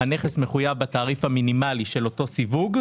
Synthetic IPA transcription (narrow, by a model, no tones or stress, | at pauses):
ane̞χesmeχujavbat̪aːʁifhaminimaliʃe̞lo̞to̞sivuɡ